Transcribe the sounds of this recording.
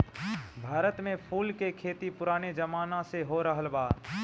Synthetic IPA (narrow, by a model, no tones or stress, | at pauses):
bʱaːɾət̪mẽpʰuːlkekʰeːt̪ipʊɾaːned͡ʒɐmaːnãseɦoɾəɦəlbaːd̪